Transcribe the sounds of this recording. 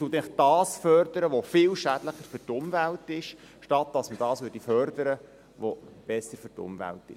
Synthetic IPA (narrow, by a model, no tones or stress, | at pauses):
ʊt̪ɛχd̥ɑːsfœrd̪əɾəʋofɪːlʃæd̥ləχəɾfʏrtʊmvæltɪʃ | ʃtɑt̚d̥ɑsməd̥ɑːsʋʏːɾdifœrd̪əɾə | ʋob̥ɛsːəɾfʏrtʊ̰mvæ̰ltɪ̰ʃ